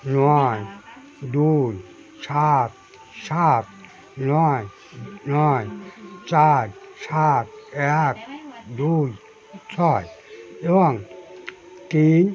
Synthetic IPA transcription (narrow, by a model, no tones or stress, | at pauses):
nɔj | duj | sʰat̪̚ | sʰaːt̪̚ | nɔj | nɔjt͡ʃajsʰat̪̚ɛk̚duːj | t͡ʃʰɔjjɔaŋ | kin